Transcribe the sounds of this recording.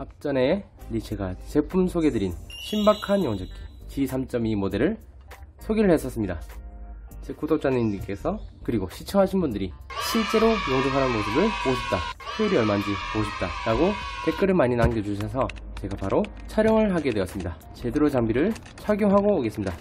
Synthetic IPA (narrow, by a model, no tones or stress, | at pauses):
ap̚t͡ɕ͈ʌne̞ | lit͡ɕʰeɡat͡ɕe̞pʰumsʰoɡe̞dɯɾinɕʰimbakʰanjʌŋd͡ʑekʰɯt͡ɕisʰamt͡ɕ͈ʌmimode̞ɾɯɭ | sʰoɡiɾɯɭɦe̞s͈ʌs͈ɯmɲida | t͡ɕek͈ʰudop̚t͡ɕ͈aniɲk͈e̞sʰʌkɯɾiɡoɕʰit͡ɕʰʌŋɦaɕʰinbundɯɾiɕʰiɭt͡ɕ͈e̞ɾojoŋd͡ʑepʰanɯnmosɯbɯɭpoɕʰʌp̚t͈akʰeiɾiʌɭmand͡ʑipoɕʰʌp̚t͈aɾaɡote̞k͈ɯɾɯɭmaɲinanɡjʌd͡ʑuɕ̬ʰʌsʰʌ | t͡ɕe̞ɡapaɾo | t͡ɕʰaɾjʌŋɯɭɦaɡe̞dwe̞ʌs͈ɯmɲida | t͡ɕe̞de̞ɾot͡ɕaŋbiɾɯɭ | t͡ɕʰaɡjoɦaɡoːɡe̞s͈ɯmɲida